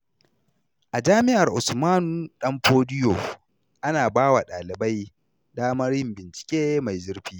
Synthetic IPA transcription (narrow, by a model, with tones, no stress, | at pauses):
ʔa˨d͡ʒaː˦mɪ˦ʔa˨rʔʊ˨smaː˦nu˨ɗɐ˦mɸoː˦dɪ˦jo̰˨ | ʔa˦naː˨baː˦wa˨ɗaː˨lɪ˨ba˦j | daː˦mɐ˦ɾjɪ˦mbɪ˨nt͡ʃɪ̥˨kʲeː˦ma˨jzɪ˦rɸiː˦